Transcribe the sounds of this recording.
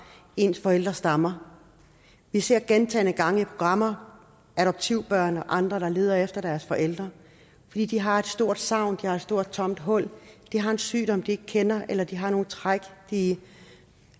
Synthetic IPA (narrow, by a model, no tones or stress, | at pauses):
e̝nsfɒ̽el̰d̥ʁɐsd̥ɑ̈mɐ | ʋise̝ɐ̰ɡ̥ent͡sʰɛ̰ːnəɡ̥ɑ̈ŋəipʰʁo̝ɡ̥ʁɑ̈m̰ɐ | æɾɒ̽b̥̚t͡sʰiʊb̥ɶɐ̰nɒ̽ʔɑ̈nd̥ʁɐɾ̥ɑ̈le̝ːð̞ˠɐefd̥ɐd̥æɐsfɒ̽ʔel̰d̥ʁɐ | fɒ̽d̥ḭːd̥iɦɑ̈e̝d̥sd̥o̝ɐ̰d̥sɑ̈ʊ̰nd̥ihɑ̈e̝d̥sd̥o̝ɐ̰d̥̚t͡sʰɒ̽m̰d̥ɦɔ̽l̰d̥iɦɑ̈e̝nsy̰ːd̥ɒ̽md̥ie̝ɡ̥̚kʰenɐelɐd̥iɦɑ̈no̝ːn̩t͡sʰʁaɡ̥d̥i